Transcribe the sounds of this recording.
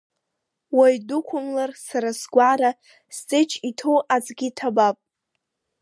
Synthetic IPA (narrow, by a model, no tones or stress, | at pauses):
wajdukʷʰʊmlarsaɾasɡʷaɾa | stʼɨt͡ʃʰitʰowat͡sʼɡʲitʰabapʼ